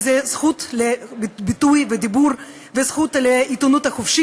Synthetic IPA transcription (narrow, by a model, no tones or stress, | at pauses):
zezχut̪lebbit̪ujved̪ibuɾ | vezχut̪leit̪onut̪haχofʃi